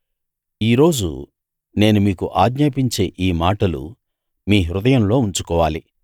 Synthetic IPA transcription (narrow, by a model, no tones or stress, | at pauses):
iːɾo̞ːd͡ʒṵ | ne̞ːnumiːkuʔaːɡɲaːpiɲt͡ʃe̞ːʔiːmaːʈɐlṵ | miːɦɾud̪ɐjɐmlo̞ːuɲt͡ʃu̥kɔːʋaːli